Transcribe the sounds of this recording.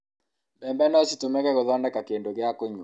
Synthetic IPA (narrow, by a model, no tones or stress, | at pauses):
bɛmbɛnɔsitumɛkɛɣoðɔndɛkakendoɣɪakoɲ